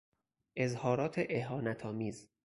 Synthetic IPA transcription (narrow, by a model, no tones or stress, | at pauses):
ʔe̞zhɒːɾɒːt̪ʰeʔeɦɒːnæt̪ʰɒːmiːz